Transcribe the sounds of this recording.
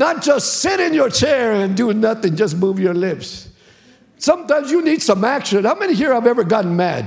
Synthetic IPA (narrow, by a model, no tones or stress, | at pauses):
nət̚d̥ʒ̥ʌstsɪɾɪ̃njə˞t͡ʃʰɛɹɨ̃ndɨnʌθɪ̃ŋd͡ʒʌs̬muvjə˞lɪps | sʌ̃mtãɪ̃mzjɨnid̥sʌ̃mækʃɨ̃nhaʊmɛniɦiɹaɪvɛvə˞ɡɑʔn̩mæ̰d̥̚